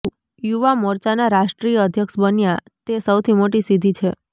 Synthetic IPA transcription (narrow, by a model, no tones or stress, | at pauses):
juʋamɔɾt͡ʃanaɾaʃʈɾijəəd̪ʱjəkʃbənja | t̪esəwt̪ʰimoʈisid̪ʱit͡ʃʰe